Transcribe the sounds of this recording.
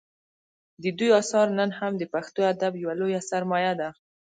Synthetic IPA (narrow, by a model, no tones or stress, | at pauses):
d̪əd̪ujɑsɑɾnənhamd̪əpaxt̪oad̪abjawalojasaɾmɑjad̪a